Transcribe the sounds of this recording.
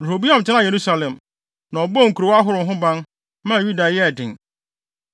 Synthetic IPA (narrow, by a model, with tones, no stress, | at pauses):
du˨ɾo˨bi˦ã˨m˨t͡ɕʰɪ˦nã˦˨je˨ɾu˦sa˨lɛ̃˨m | nã˨ɔ˨bɔ˦ŋ̩˨ku˨ɾo˨wa˦ɦʊ˨ɾʊ̃˨˦ɦʊ̃˦bã˦n | mã˦˨ju˦da˨jɛ˦˨dɪ̃˨ŋ